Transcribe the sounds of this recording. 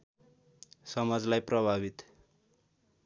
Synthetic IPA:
sʌmad͡zlajprʌbʱabit̪

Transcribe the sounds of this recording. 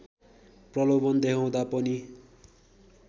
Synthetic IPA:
prʌlobʌnd̪eɦʰaw̃d̪apʌni

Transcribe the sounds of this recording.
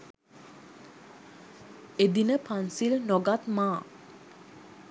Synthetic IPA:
ed̪inəpʰansilnoɡat̪maː

